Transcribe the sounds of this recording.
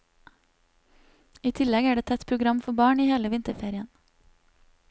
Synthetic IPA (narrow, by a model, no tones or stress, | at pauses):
iːt̪ʰɪlɛɡæːɖeːt̪ʰɛt̪pʰɾʊɡɾɑmfɔbɑːɳiːheːləʋɪnt̪əfeːɾɪən